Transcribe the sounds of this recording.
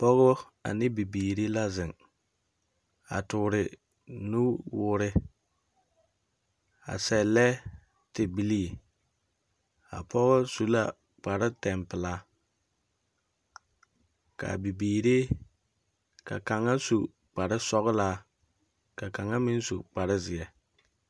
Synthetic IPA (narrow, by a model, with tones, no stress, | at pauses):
pɔ˦ɣɔ˦ | a̰˨nɪ˦bi˨biː˨ɾe˦la˦zɪ˨ŋ | a̰˨tʊ˨ɾɪ˨ | nu˦wʊ˨ɾɪ˦ | a̰˨sɛ˨lɛ˦ | tɪ˨bi˦li˦˨ | a̰˨pɔ˦ɣʊ˦su˦la̰˦ | k͡pa˨ɾɪ˦tɛ˨mpɪ˨la˦ | ka̰˨bi˨biː˨ɾe˦ | ka̰˨ka˨ŋa˦su˨ | k͡pa˨ɾɪ˦sɔ˦ɣla˦ | ka˨ka˨ŋːa˦mɪ˦n˦sṵ˨k͡pa˨ɾɪ˦zɪ˨ɛ˨